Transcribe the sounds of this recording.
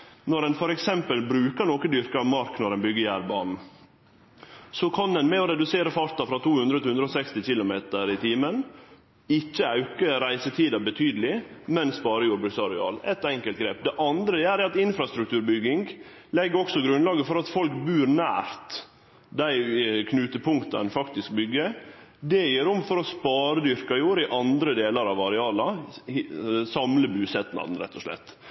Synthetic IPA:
nɔɾɛnfɔɾɛksɛmpəlbɾʉːkənokəd̪ʏɾkəɑʋmɑɾknɔɾɛnbʏɡːəjæːɾbɑːnn̩ | sɔkʰɑnd̪ɛnmɛɔɾɛd̪ʉseːɾəfɑɾt̪ɑfɾɑt̪ʰuːhʉnd̪ɾət̪ɪhʉnɾɔsɛkst̪ɪçɪlʊmeːt̪əɾɪt̪ʰiːmən | ɪt͡ʃːəɑʉkəɾæɪsət̪ʰiːd̪ɑbət̪ʰyːd̪əlɪmɛnspɑːɾəjuːɾbʉksɑɾɪɑ̰ːlɛt̪ɛŋkəlt̪ɡɾeːp̚d̪ɛʔɑnd̪ɾəæːɾɛɑt̪ɪnfɾɑst̪ɾʉkt̪ʰʉːɾbʏɡːɪŋɡ | lɛɡəɔksɔɡɾʉnlɑːɡəfɔɾɑt̪fɔlkbʉːɾnæ̰ːɾt̪ | d̪æɪkʰnʉːt̪əpʰʊŋkt̪ɑ̰nfɑkt̪ɪsk̚bʏɡːəd̪ɛjøːɾɔmfɔɾɔspɑːɾəd̪ʏɾkɑjuːɾɪʔɑnd̪ɾəd̪eːləɾɑʋɑɾɛɑːlɑ | sɑmləbʉːsɛt̪nɑ̰d̪n̩ɾɛ̰t̪ʰːɔʂlɛ̰t̪ː

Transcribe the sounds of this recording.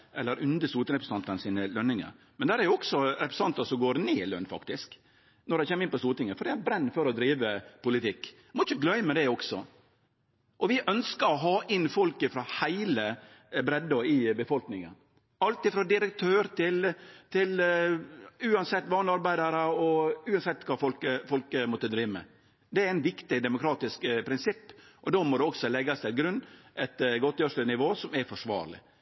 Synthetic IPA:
ʔɛlːəɾʉnd̪əst̪uːt̪ɪɾɛpɾst̪ɑnt̪ənsiːnəlœnːɪŋə̰ɾmɛnd̪æːɾæɾjʊɔksɔɾɛpɾəsɑnt̪əsɔmɡoːɾneːlœ̰nːfɑ̰kt̪ɪsk | nɔɾɖ̪ɛɪçɛːmːɪnpɔst̪uːɾt̪ɪŋəfɔɖ̪ɛæbɾɛnːfɔɾɔd̪ɾiːʋəpʊlɪt̪ɪkː | mɔɪçəɡlœʏmɛd̪ɛɔksɔ̰ | ʔɔʋɪʔœnskəɾɔɦɑːʔɪnfɔlkəfɾɑhæɪlə | bɾɛd̪ɔɪbəfɔlknɪŋə̰n | ɑlt̪ɪfɾɑd̪ɪɾək̚t̪ʰøːɾt̪ɪlt̪ʰɪl | ʉːɑnsɛt̪ːʋɑːnlɪɑɾbæɪd̪ɑɾəɔʉːɑnsɛt̪ːkʰɑːfɔlkəfɔlkəmɔt̪ːəd̪ɾiːʋmə̰ | d̪ɛɾæɪnʋɪkt̪ɪd̪ɛmʊkʰɾɑːt̪ɪskpʰɾɪnsɪpːʔɔd̪oːmɔd̪ɛɔksɔlɛɡːɑst̪ʰɪlɡɾʉnːɛt̪ɡɔt̪jøːʂənɪʋoːsɔmɛɾfɔʂʋɑ̰ːɾɭɪ̰

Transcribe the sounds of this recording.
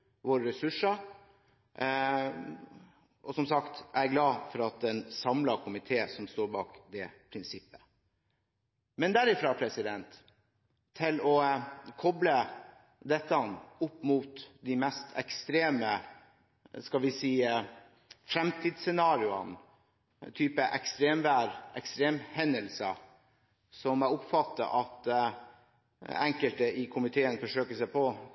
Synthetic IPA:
ʋoːɾəɾɛsʉʂə | ʔɔsɔmsɑkt̪ʔæɡlɑːfɔɾɑt̪̚d̪ɛnsɑmlɑkʰʊmɪt̪ʰeːsɔmst̪oːɾbɑ̰ːkd̪ɛpʰɾɪnsɪpːə̥ | mɛnd̪æɾɪfɾɑːpʰɾɛsɪd̪ɛnt̪ʰː | ɪlɔkʰɔblə | d̪ɛt̪ːəɑnʊpːmuːt̪d̪ɪmɛst̪ʰɛ̰kst̪ɾeːmə | skɑlʋɪsiː | fɾɛmt̪ʰiːd̪sɛnɑːɾɪʊɑ̰n | t̪ʰyːpəʔɛkst̪ɾeːmʋæːɾʔɛkst̪ɾeːmhɛnəlsɑ̰ | sɔmæʊpfɑt̪ːə̰ʔɑt̪ | æŋkəlt̪əʔɪkʰʊmɪt̪ʰeːənfɔʂøːkəsæpʰɔ

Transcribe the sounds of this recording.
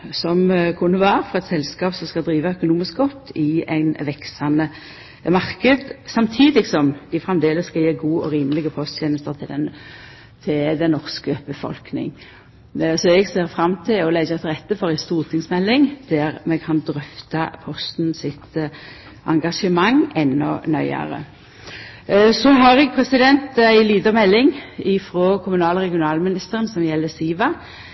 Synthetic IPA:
sɔmkʰʉnːəʋæːɾəfɔʁɑɛt̪sɛlskɑːpsɔmskɑd̪ɾiːʋɑœkʊnuːmɪskɡɔt̪ːɪæɪnʋɛksɑnə | mɑʁkəd̪sɑmt̪ʰiːd̪ɪksɔmd̪ɪfɾɛmd̪eːləsːkɑjeːɡuːɔɾiːməlɪɡəpʰɔst̪çʰeːnəlst̪əʁt̪ʰɪlɛn | t̪ʰɪld̪ɛnːɔʁskəb̥əfɔ̰lknɪ̰ŋ | sɔɛɡseːʁfʁɑmt̪ʰɪlɔlɛd͡ʒɑt̪ʰʁɛt̪ːəfɔɾæɪst̪uːʁt̪ʰɪŋsmɛlːɪŋd̪̥æʁmɛkʰɑnd̪ʁœft̪ɑpʰɔst̪nsɪt̪ | ʔɑ̰ŋɡɑʂəmɑŋɛnːɔ̰nœʏə̰ʁə̰ | sɔɦɑʁɛɡpʰʁɛsɪd̪ɛnt̪æɪliːd̪əʁmɛlːɪŋɪfɾɔkʰʊmʉnɑːləʁɛɡɪʊnɑːlmɪnɪst̪əʁənsɔmjɛlːəsiːʋɑ

